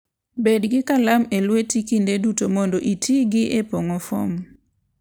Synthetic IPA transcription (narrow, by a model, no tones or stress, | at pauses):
bedɡɪkalamelwetikindedutomɔndoʔitʰiɡɪʔepoŋɔfɔ̰m